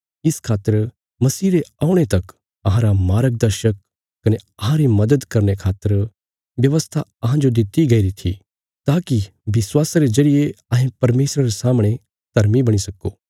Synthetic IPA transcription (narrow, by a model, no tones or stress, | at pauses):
ɪskʰaːt̪ːəɾ | mɐsiːɾeaːʊɽ̃et̪ɐk | ɐɦãɾamaːɾək̚d̪ɐɾʃəkː | ɐneɐɦãɾimɐd̪əd̪kɐɾnekʰaːt̪ːəɾ | ʋjɐʋəst̪ʰaɐɦãd͡ʒod̪ɪt̪iɡɐiɾit̪ʰḭ | t̪aːki | ʋɪswaːsaɾezɐɾijeɐɦẽpɐɾmeːsɾaɾesaːmɽ̃e | t̪ɐɾmibɐɽ̃isɐkoː